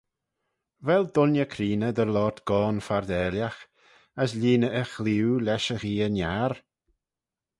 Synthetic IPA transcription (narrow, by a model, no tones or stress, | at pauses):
vɛld̪ʊnjəkʰɾiːnəd̪əɾlɔːt̪ɡ̥ɔːnfaɾd̪ɛːljax | əslʲiːnəʔəxliwlɛʃəɣiːənjaɾ